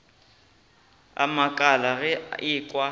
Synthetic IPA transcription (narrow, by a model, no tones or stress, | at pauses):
a̰makʼalaɣɛɪkʼwa